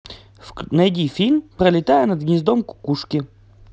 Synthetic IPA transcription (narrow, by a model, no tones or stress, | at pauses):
nɐjdʲifʲilʲmpɾɐlʲɪt̪ajənɐd̪̚ɡnʲɪzd̪omkʊ̥kuʂkʲɪ